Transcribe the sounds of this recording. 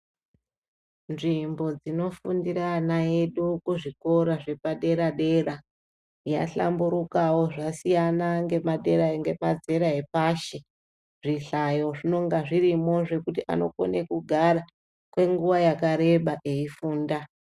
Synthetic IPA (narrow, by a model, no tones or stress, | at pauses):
nʐimbo̞d͡zino̞fundiɾanaeɗukuʐiko̞ɾaʐe̞paɗe̞ɾaɗe̞ra | ja̰ɬa̰mbuɾukawo̞ʐasijanaŋɡe̞maɗe̞ɾaeŋɡe̞mad͡ze̞ɾaepaʃe̞ | ʐiɬajo̞ʐino̞ŋɡaʐiɾimo̞ʐe̞kutiʔa̰no̞̰ko̰nekuɡʱara | kwe̞ŋɡuʋajakaɾe̞ɓaʔeifuːnda